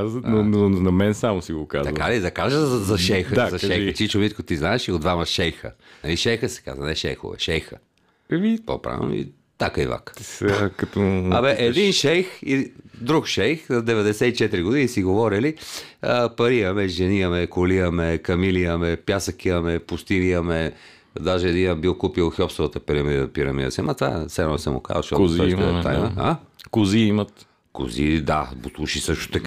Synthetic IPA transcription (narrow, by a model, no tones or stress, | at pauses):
znononɐmɛnsamosiɡoka̰zt̪ɐkalid̪ɐkaʒəzzɐʃɛjxəzɐʃɛjxət͡ʃit͡ʃonit̪kot̪iznaɛʃiod̪vamɐʃɛjxə̰nɐliʃɛjxəsɛ̥ka̰zvɐ̰nɛʃɛ̰jxo̰vɛ̰ʃɛjxə̰ | ɛmipo̰pɾa̰nɛ̰mḭ | t̪akəiva̰kakɐt̪ɔɐmɛʔɛd̪inʃɛjxid̪ɾukʃɛjxnɐd̪ɛvɛd̪ɛsɛit͡ʃɛt̪ɾiɡod̪inisiɡovɔɾiliəpɐɾiɐmɛʒɛniəmɛkolijəmɛkɐmilijəmɛpjasəkiɐmɛpʊst̪iniəmɛ | d̪aʒɛːd̪inəbilˠkupilˠxʲɔpsovət̪əpiɾɐmid̪əpiɾɐmḭd̪ə̰siamat̪va̰sɛnɔsɛmʊ̰ka̰zəʃt̪ɔtk̪zɛt̪a̰imɐakʊziimɐt̪ | kʊ̰zḭd̪a̰bʊslˠuʃisɤʃt̪o̥t̪ɐka